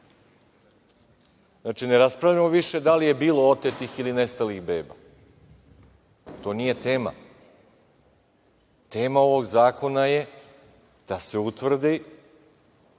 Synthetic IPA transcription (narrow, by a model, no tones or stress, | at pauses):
znaːt͡ʃineɾaspɾavʎamoʋiʃe̞d̪alije̞biːlo̞ot̪et̪ixiline̞st̪alixbe̞ːba̰ | t̪o̞nije̞t̪eːma̰ | t̪e̞ːmaoʋo̞ɡzaːko̞naje̞ | d̪̥ase̞ut̪ʋr̩d̪i